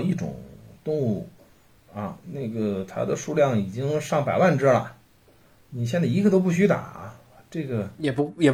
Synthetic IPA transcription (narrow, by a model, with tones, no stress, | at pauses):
i˥˩ʈ͡ʂʊ̰˨˩˦ŋt̪ʊ˥˧ŋu˥˩ | ɐ̰˧˩ne˥˩ɡə˩t̪ʰa̰˥d̪ə˧ʂu˥˧ljɑ˥˩ŋi˨˩t͡ɕi˥ŋʂɑ˥˩ŋpa˨˩ɪwa˥˩nʈ͡ʂ̩˥lɐ̰˨ | ni˨˩ɕ̬jɛ˥˧nt͡sa˥˩ɪi˧˥ɡə˧t̪o˥ʊp̬ɕy˥t̪a̰˨˩˦ | ʈ͡ʂɤ˥˩ɡə˩jɛ˨˩pjɛ˨˩